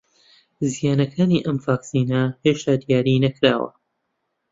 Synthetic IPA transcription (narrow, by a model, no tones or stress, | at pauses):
zijaːnɐkʰaːniːʔɐmvaːksiːnɐheːʃt̪aːd̪ijaːɾiːnɐkɾaːwɐ̰